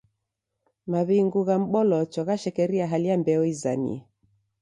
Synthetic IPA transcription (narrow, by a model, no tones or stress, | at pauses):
maβiŋɡuɣam̩ɓɔlɔt͡ʃɔɣaʃɛkɛɾiaɦalijambɛɔiza̰nḭɛ